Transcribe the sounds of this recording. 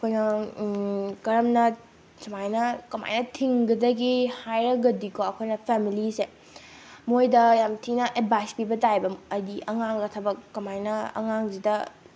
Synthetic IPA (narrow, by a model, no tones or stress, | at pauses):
ɐkʰojnɐ | kɐɾɐmnɐ | sɐmajnɐkɐma̰jnɐtʰiŋɡɐdɐɡihajɾɐɡɐdikʰoɐkʰojnɐpʰemilise | mojdɐjamtʰinɐʔet̚bajspibɐtajbɐmɐjdiʔɐŋaŋɡɐtʰɐbɐkːɐmajnɐɐ̰ŋaŋzidɐ